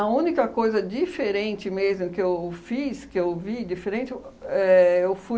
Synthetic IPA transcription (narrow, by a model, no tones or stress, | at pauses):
ɐũnikɐkojzɐd͡ʒifeɾẽnt͡ʃɪmezmʊkɪewfiskɪewvid͡ʒifeɾẽt͡ʃɪɛewfu